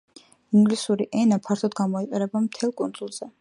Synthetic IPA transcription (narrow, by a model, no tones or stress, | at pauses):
iŋɡlisuɾiʔɛnapʰaɾt̪ʰɔd̪ɡamɔiqʼɛɾɛbamt̪ʰɛlˠkʼund̪zulˠz̥ɛ